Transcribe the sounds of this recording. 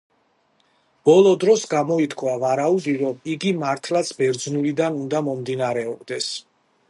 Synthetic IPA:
b̥ɔlˠɔd̪ɾɔsɡamɔit̪ʰkʰvavaɾaud̪iɾɔmiɡimaɾt̪ʰlat̪sʰbɛɾd̪znulid̪anund̪amɔmd̪inaɾɛɔbd̪ɛs

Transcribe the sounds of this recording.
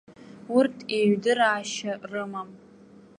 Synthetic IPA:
ʊrtʰeɥdɨɾaːʃarɨmam

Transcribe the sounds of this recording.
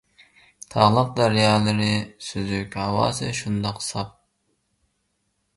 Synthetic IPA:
t̪ʰɑʁlˠɑq̚d̪ɑɾjɑːlˠɨɾɨsyzykʲhɑwɑ̰ːsɨʃund̪ɑqsɑp̚

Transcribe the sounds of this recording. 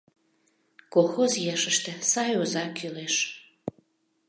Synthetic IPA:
koxozjeʃəʃt̪ə̆sɑjozɑkʰyleʃ

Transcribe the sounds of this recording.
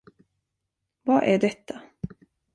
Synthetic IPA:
vaʔæɖɛt̪ʰːa

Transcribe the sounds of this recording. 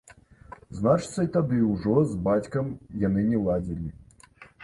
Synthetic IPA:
znat͡ʂt̪sɐit̪ɐd̪ɨwʐɔzbat͡sʲkɐmjanɨnʲɛlˠad͡zʲilʲi

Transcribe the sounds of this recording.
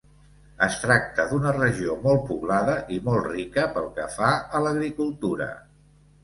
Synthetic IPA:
əst̪ɾak̚t̪əðunərəʒiomɔlˠt̪̚puβlaðəʔimɔlˠd̪rikəpəlˠkəfaələɣɾikulˠt̪uɾə̰

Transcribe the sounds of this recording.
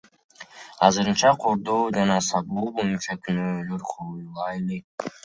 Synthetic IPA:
ɑzɯɾɯnt͡ʃɑqʰoɾd̪oːd͡ʒɑnɑsɑk̚bolˠbonint͡ʃɑkʰʲynøːløɾqʰojlˠɑelek̚

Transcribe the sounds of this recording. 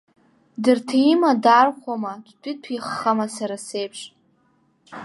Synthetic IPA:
dɨrtʰaimadarχʷamadʷʰtʷʼitʰiχːamasaɾasejpʰʂ

